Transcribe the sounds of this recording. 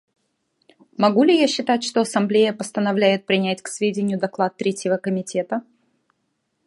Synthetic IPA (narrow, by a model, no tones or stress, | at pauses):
mɐɡulʲɪjaɕːɪt̪atʲʂt̪oɐsɐmblʲejəpəst̪ənɐvlʲæjɪt̪̚pɾʲɪnʲætʲksvʲedʲɪnʲɪjʊd̪ɐklˠat̪ːɾʲetʲjɪvəkəmʲɪtʲe̞t̪ə